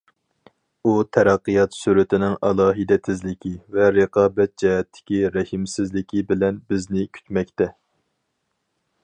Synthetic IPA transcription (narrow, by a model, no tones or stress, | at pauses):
ut̪ʰɛɾɑqːɨjɑt̪syɾɪt̪ʰɪnɪŋɑlˠɑːɦid̪ɛt̪ʰɪzlɪkʲʰivɛɾeqʰɑːbɛt̪̚d͡ʒɛɦɛt̪ʰːɪ̥kʲiɾɛhɪmsɪzlɪkʲibɪlɛnbɪznɪkʲʰy̥t̪mɛk̚ʲt̪ɛ